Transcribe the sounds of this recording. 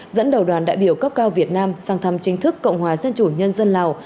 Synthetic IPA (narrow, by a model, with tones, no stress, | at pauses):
zə̰˧˥nɗə˨˩wɗwaː˨˩nɗa̰ː˧˨jɓi˧˩əwkə˦˥p̚kaː˧wvi˨˩ət̚naː˧msaː˧˩ŋt̪ʰə˨˩mt͡ɕï˧ŋ̟t̪ʰɨ˦˥kːə̰˧˨wŋ͡mhɦwaː˨˩zə˧nt͡ɕu˧˩ɲə˧nzə˧nla˨˩w